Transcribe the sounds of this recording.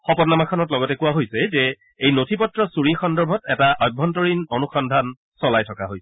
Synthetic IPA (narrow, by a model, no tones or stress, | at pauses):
xɔpɔtnamakʰɔnɔtlɔɡɔtɛkuwaɦojsɛzɛ | ejnotʰipɔtɹɔsuɹixɔndɔɹbʱɔtɛtaʔɔjbʱːɔntoɹinonuxɔndʱan | sɔlajtʰɔkaɦojsɛ